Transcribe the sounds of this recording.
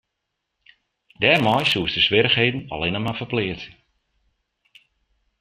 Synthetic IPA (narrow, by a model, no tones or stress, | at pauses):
dɛːrmɔjsuəsdəsʋɪɾəxɦeːdən̩ɔ̰lɪnəmafərplɪːətə